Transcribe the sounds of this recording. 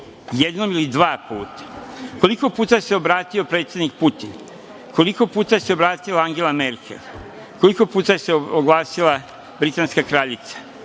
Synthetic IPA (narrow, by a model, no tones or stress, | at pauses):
jed̪no̞milid̪ʋaːpuːt̪ḁko̞liko̞puːt̪ajse̞o̞bɾaːt̪io̞pɾe̞ːt̪sje̞d̪nik̚put̪in | kʰo̞liko̞puːt̪aeseo̞bɾaːt̪ilaaŋɡe̞lame̞ɾkʰḛlˠ | ko̞liko̞puːt̪ajeseoɡlˠaːsilˠa | bɾit̪anskakɾaːʎit̪sḁ